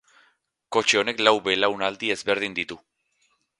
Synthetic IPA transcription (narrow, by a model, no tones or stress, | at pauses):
ko̞t͡ʃeo̞ne̞klawβe̞lawnald̪ie̞zβe̞ɾð̞ind̪it̪u